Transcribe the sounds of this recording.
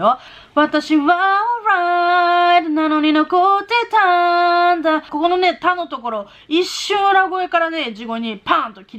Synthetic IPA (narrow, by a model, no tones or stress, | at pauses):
o | βat̪aɕiβaɾa | t̪nano̞ɲ̟ino̞kot̪e̞t̪and̪ako̞ko̞no̞ne̞t̪ano̞t̪o̞ko̞ɾo̞ | iɕːɨ̃ɾaɡo̞e̞kaɾane̞d͡ʑiɡo̞ɲ̟ipãːnt̪o̞kʲiɾ